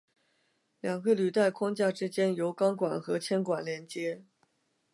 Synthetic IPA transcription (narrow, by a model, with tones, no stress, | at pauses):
ljɑ˨˩ŋkə˥˧ly˨˩t̪a˥˩ɪkʰwɑ˥ŋt͡ɕja˥˩ʈ͡ʂɻ̩˥t͡ɕjɛ˥njo˧˥ʊkɑ˥ŋkwa̰˨˩nxɤ˧˥t͡ɕʰjɛ˥nkwa˨˩nljɛ˧˥nt͡ɕjɛ˥